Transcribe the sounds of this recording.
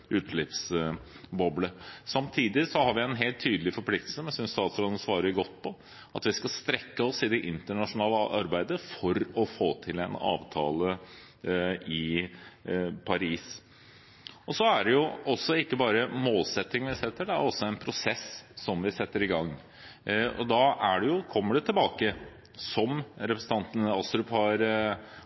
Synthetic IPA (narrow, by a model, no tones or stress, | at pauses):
ʔʉːt̪lɪps | bɔbləsɑmt̪ʰiːd̪ɪsɔhɑɾʋɪɛnɦeːlt̪ʰːyːd̪əlɪfɔɾpʰlɪk̚t̪əl̩səmɛnsʏnst̪ɑːt̪sɔɾɑd̪nəsʋɑːɾəɡɔt̪ːpʰɔ | ʔɑt̪ʋɪskɑlst̪ɾɛkːəɔsɪd̪ɛʔɪnt̪əɳɑʂʊnɑːləʔɑɾbæɪd̪əfɔɾɔfoːt̪ʰɪlɛnɑ̰ːʋt̪ʰɑːlə | ʔɪ | pʰɑɾiːs | ɔsɔæɖɛjʊɔsːɔɪkːəbɑːɾəmoːlsɛt̪ːɪŋənʋɪsɛt̪ːəɖɛæɾɔsːɔæɪnpʰɾʊsɛsːɔmʋɪsɛt̪ːəɾɪɡɑŋː | ɔ̰d̪ɑæɖɛjʊkʰɔmːəɖɛt̪ʰɪlbɑːkə | sɔmɾɛpɾəsn̩t̪ɑnt̪nɑst̪ɾʉphɑɾ